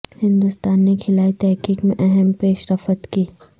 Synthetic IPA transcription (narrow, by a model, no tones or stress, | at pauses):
hɪ̃nd̪ust̪aːnːekʰɪlaːit̪ɛɦkiːkmḛ̃ʔɛɦɛmpeːʃɾɐfət̪kiː